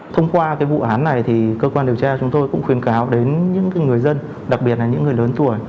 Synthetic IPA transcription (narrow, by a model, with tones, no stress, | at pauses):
t̪ʰə˧wŋ͡mkwaː˧kaː˨˦jvṵ˧˨ʔaː˨˦nːa˨˩jt̪ʰi˨˩kəː˧kwaː˧ɗi˨˩əwt͡ɕaː˧t͡ɕʊ˨˦ŋ͡mt̪o˧jkʊ̰˧˥ŋ͡mxwi˨˩ənkaː˨˦wɗe˨˦nɲɨ̰˧˥ŋkaː˨˦jŋɨ˨˩əjzə˧n | ɗa˨˩k̚ɓi˨˩ət̚laː˨˩ɲɨ̰˧˥ŋː˨˩əjləː˨˦nt̪u˧˩əj